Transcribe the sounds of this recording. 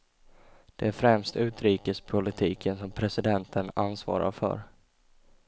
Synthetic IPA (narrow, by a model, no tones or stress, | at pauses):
d̪̥ɛæɾfɾɛmst̪ʉ̟ːt̪ɾiːkəspʰʊlɪt̪ʰiːkʰənsɔmpʰɾɛsɪd̪ɛnt̪ʰənansvɑ̰ːɾa̰ɾfœ̰ɾ